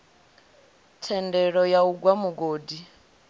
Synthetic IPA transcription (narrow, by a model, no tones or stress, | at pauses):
tʰɛndɛɺɔjauɡwamuɡoːdi